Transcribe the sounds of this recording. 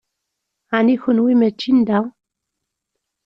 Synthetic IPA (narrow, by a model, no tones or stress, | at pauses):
anixunwimɛt͡ʃːind̪aw